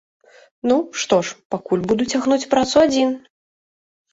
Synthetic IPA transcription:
nuʂt̪ɔʂpakulʲbud̪ut͡sʲaɣnut͡sʲpɾat̪suad͡zʲin

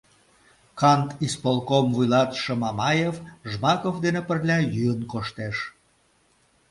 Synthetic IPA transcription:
kɑnt̪ispolˠkomvujlɑt̪ʃəmɑmɑjefʒmɑkofd̪enepərlʲɑjyənkoʃt̪eʃ

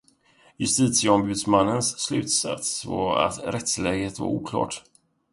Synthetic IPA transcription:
jɵst̪iːt̪sɪəɔmbʉ̟ːd̪smanːənsːlʉ̟ːt̪sa̰t̪svɑa̰t̪ɾɛt̪slɛːɡhet̪va̰ɾuːkʰlɑ̰ːʈ

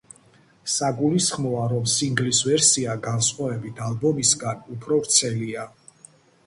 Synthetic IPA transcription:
saɡulisχmɔaɾɔmsiŋɡlisvɛɾsiaɡansqʼavɛbit̪ʰalbɔmisɡanupʰɾɔɾt̪sʰɛlia

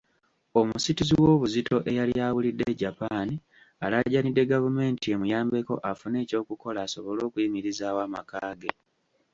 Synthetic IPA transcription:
o̞musitiziwo̞ːβuzito̞ʔe̞jaliaːwulidːe̞ɟapaːni | alaɟanidːe̞ɡavume̞ːntie̞mujaːmbe̞ko̞̰ʔafune̞ːco̞ːkuko̞laːso̞βo̞lo̞ːkuimiɾizaːwaːma̰kaːɡe̞

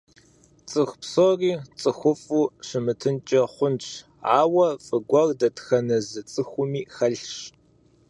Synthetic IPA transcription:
t͡sʼɨxpsoriːt͡sʼɨxʷʊfʼuːʂɨmɨtʰɨnt͡ʃʼɐχʷʊnʈ͡ʂʰ | aːwɐfʼɨɡʷɐrdɐtxɐnɐzɨt͡sʼɨxʷʊmiːxɐɬɕ

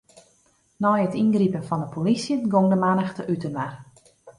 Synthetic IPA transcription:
nɔjətinɡripənfɔndəpʰolisjənɡoŋdəmanəxtəʔytənmar

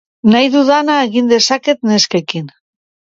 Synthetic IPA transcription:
najðuðanaeɣind̪e̞sake̞t̪neskekin

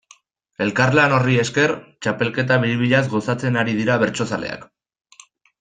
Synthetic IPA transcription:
e̞lkaɾlano̞rie̞ske̞ɾt͡ʃape̞lke̞t̪̬aβiɾiβiʎazɣo̞sat͡se̞naɾiðiɾaβe̞ɾt͡ʃo̞sale̞̰a̰k

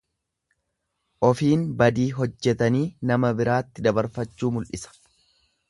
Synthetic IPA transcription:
ʔɔfiːnbɐd̪iːɦɔd͡ʒːɛt̪ɐniːnɐmɐbɪɾaːt̪ːɪd̪ɐbɐɾfɐt͡ʃːuːmʊlʔɪsɐ̥

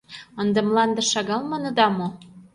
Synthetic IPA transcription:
ə̆nd̪ə̆mlɑnd̪ɤ̆ʃɑɣɑlmɤnɤ̆d̪ɑmo

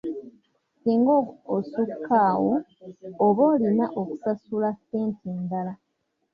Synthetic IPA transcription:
siːŋɡoːsukʰːaːwoː | βo̞ːlinaʔoku̥sasulaseːntʰeːndala

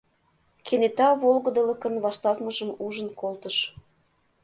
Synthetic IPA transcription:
kʰenet̪ɑβolɣə̆d̪ə̆lə̆kə̆nβɑʃt̪ɑlt̪məʒəmuʒə̆nkolt̪əʃ

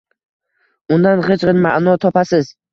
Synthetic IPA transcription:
ʊnd̪anχet͡ʃʁɨnma̰ʔnɒt̪ʰɒpasɪz

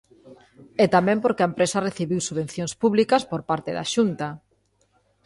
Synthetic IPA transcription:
et̪amẽmpoɾkeaempɾesɐreθiβiwsuβẽn̟θjoŋspuβlikɐspoɾpaɾt̪eða̰ʃunt̪a

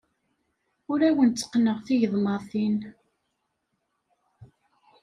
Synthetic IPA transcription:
ʊɾæwənt͡sːə̥qːnəʁθiʝəðˤmɑɾθin

